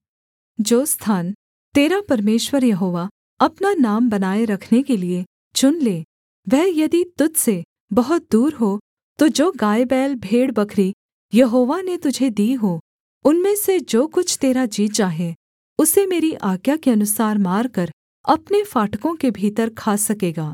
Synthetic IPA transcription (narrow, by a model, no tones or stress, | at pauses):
d͡ʒoːst̪ʰaːn | t̪eːɾapɐɾmeːʃwəɾjɐɦoːʋa | ɐpnanaːmbɐnaːeɾɐkʰnekelie | t͡ʃʊnleː | ʋɛɦjɐd̪it̪ʊt̪se | bɐɦʊt̪̚d̪uːɾɦo | t̪od͡ʒoːɡaːjbɛːlbʱeːɽbɐkʰɾi | jɐɦoːʋanet̪ʊd͡ʒʱed̪iːɦoː | ʊnmẽsed͡ʒoːkʊt͡ʃʰt̪eːɾad͡ʒiːt̪t͡ʃaːɦe | ʊsemeːɾiʔaːɡjakeɐnʊsaːɾmaːɾkəɾ | ɐpnefaːʈkõkebʱiːt̪əɾkʰaːsɐkeːɡaː